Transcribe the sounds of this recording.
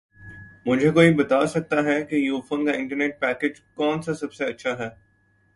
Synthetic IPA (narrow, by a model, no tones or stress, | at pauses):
mʊd͡ʒʱekoːibɐt̪aːsɐk̚t̪aɦɛkejuːfoːnkaɪ̃ɳʈəɾneːʈ̚pɛːkeːd͡ʒkɔːnsasɐbseɐtːʃʰaɦɛː